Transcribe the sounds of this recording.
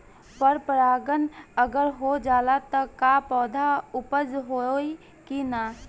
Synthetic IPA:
pəɾpəɾaːɡənəɡəɾɦod͡ʒaːlat̪ɔkapɔːd̪ʱaʊpəd͡ʒɦoi | kinaː

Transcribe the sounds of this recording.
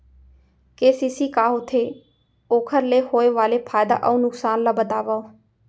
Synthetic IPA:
keːsiːsiːkaːɦʊt̪ʰeː | oːkʰəɾleːhoːeːʋaːleːpʰaːjd̪a̰ːʔəũːnʊksaːnlaːbət̪aːʋaoː

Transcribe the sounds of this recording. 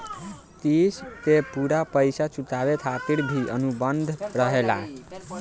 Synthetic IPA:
t̪ist̪epuɾapəjsat͡ʃuʈ̪aβet̪ʰat̪iɽbʱiʔənubənd̪ʱɾəɦela

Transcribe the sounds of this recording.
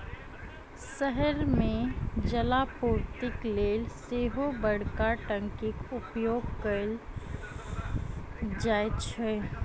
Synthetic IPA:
səɦəɾmẽd͡ʒəlaːpuːɾt̪ɪkleːlseːɦobəɽ̤kaʈə̃ŋkɪkʊpjoːɡkəl | d͡ʒaːjet͡ʃʰɛ

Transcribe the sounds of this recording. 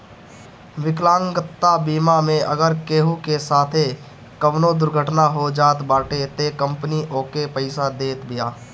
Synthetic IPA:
ʋɪklãːŋɡət̪ːabiːmamẽʔəɡəɾkeːɦukesaːt̪ʰe | kəʋnod̪ʊɾɡʱəʈnaɦod͡ʒaːt̪baːʈet̪ekə̃mpniʔoːkepəɪsad̪eːt̪bɪjaː

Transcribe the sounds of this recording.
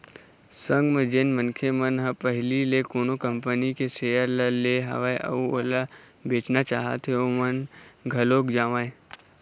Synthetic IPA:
sə̃ŋɡməd͡ʒenmənkʰemənɦəpəɦlilekoːnokə̃mpənikeseːjəɾlleɦɐ̰ʋaeʔə̰uola | beːt͡ʃnat͡ʃaːɦa̰t̪ɦeomənɡʱɐloːkd͡ʒaːʋaẽ

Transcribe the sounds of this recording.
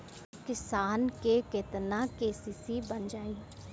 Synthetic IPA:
kɪsaːnkekɪt̪nãkeːsiːsibənd͡ʒaːiː

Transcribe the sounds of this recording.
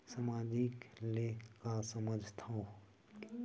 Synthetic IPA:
samaːd͡ʒiklekasəməd͡ʒʱt̪ʰa

